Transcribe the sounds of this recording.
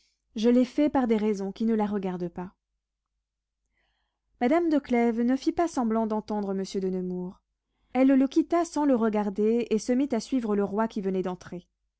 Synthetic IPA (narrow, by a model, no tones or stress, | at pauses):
ʒəlɛfɛpaʁd̪eʁɛzɔ̃kʲinəlaʁəɡaʁd̪pa | mad̪amd̪əklɛvnəfipasɑ̃blɑ̃d̪ɑ̃t̪ɑ̃d̪ʁəməsjød̪ənəmuʁ | ɛlːəkʲit̪asɑ̃ləʁəɡaʁd̪eesəmit̪asɥivʁələʁwakʲivənɛd̪ɑ̃t̪χe